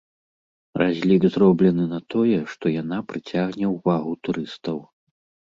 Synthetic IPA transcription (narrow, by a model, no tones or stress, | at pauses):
razʲlʲiɡzrɔblʲɛnɨnɐt̪ɔjɛʂt̪ɔjanapɾɨt͡sʲaɣnʲɛwvaɣut̪uɾɨst̪ɐw